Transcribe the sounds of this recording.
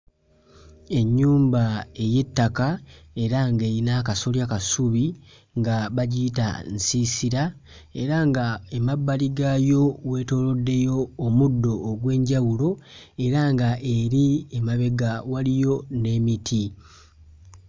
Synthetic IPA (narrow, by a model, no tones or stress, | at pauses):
e̞ɲːuːmbae̞je̞tːakae̞ɾaŋɡe̞ɾinaːkasoljakasuβi | ŋɡaβaɟita̰nsisiɾa | e̞ɾaŋɡaemabːaliɡajo̞we̞ːto̞ːlo̞dːe̞jo̞ːmudːo̞ːɡwe̞ːɲɟawulo̞e̞ɾaŋɡaʔe̞ɾiemaβe̞ɡawalijo̞ne̞mitʰi